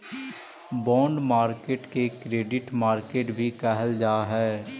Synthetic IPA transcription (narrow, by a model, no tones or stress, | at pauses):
bɔ̃ːɳɖmaːɾkeːʈkekɾeːɖɪʈmaːɾkeːʈbʱikɛɦəld͡ʒaːɦɛː